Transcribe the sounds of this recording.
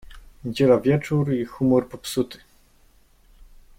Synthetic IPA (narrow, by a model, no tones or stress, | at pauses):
ɲed͡ʑelavʲjɛt͡ʂuɾixumɔɾpɔpsut̪ɘ̥